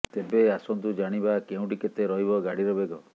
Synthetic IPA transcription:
t̪ebeasɔnt̪ud͡ʒaɽ̃ibakeũɖiket̪eɾɔɦibɔɡaɽiɾɔbeɡɔ

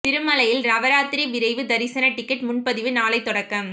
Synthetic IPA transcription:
pɪɾɯmɐlɐjɪlɾɐʋɐɾaːt̪ɪɾiʋɪɾɐɪʋɯd̪ɐɾɪsɐnɐʈːɪkːɐʈmʊnpɐðɪʋɯnaːlɐɪt̪ːɔɽɐkːɐm

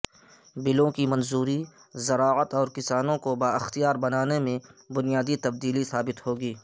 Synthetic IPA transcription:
bɪlõkimɐnzuːɾi | zɐɾaːət̪ɔːɾkɪsaːnõkobaːɪxt̪ijaːɾbɐnaːnemẽbʊnijaːd̪it̪ɐb̚d̪iːlisaːbɪt̪ɦoːɡiː

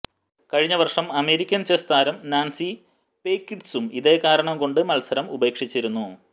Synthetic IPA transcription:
kɐɻiɲːɐʋɐrʂɐmɐme̞ːɾikʲːɐnt͡ɕest̪ʰaːɾɐmnaːnsi | peːkːiʈsumiðe̞ːkaːɾɐɳɐmko̞ɳɖɨmɐlsɐɾɐmube̞ːkʂit͡ɕːiɾunːu

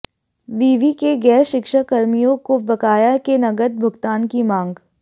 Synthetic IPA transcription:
biːʋikeɡɛːɾʃɪkʃakɐɾmijõkobɐkaːjakenɐɡəd̪̚bʱʊɡt̪aːnkimãːŋɡ

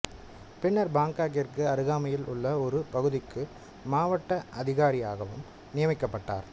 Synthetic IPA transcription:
pɪɳːɐɾbaːŋkaːk̬ɪɾkɯɐɾɯɣaːmɐjɪlʊ̰ɭːɐɔɾɯpɐɣɯðɪkːɯ | maːʋɐʈːɐʔɐðɪɣaːɾɪja̰ːɣɐʋɯ̰m | nɪjɐmɪkːɐpːɐʈːa̰ːɾ

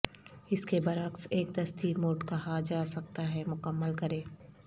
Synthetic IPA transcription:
ɪskebɐɾakseːk̚d̪ɐst̪ʰimoːʈkaɦad͡ʒaːsɐk̚t̪aɦɛmʊkəmːəlkɐɾẽː

